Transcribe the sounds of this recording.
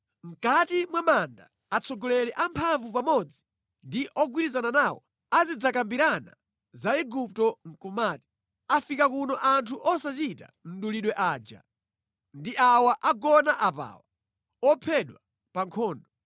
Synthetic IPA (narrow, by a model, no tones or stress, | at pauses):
m̩katimwamandaː | t͡sʰɔɡɔlɛɾɛʔampʰaɱvupamɔd͡zi | ndiʔɔɡwiɾizananaːwɔ̰ | azid͡zakambiɾana̰ | zaɛɡup̚tɔŋ̩kumaːti̥ | afikakunɔʔantʰuʔɔsat͡ʃita̰n̩ɗuliɗwɛʔaːd͡ʒa̰ | ndiʔawaʔaɡɔnaʔapa̰ːwa | ɔpʰɛɗwa | paŋkʰɔːndɔ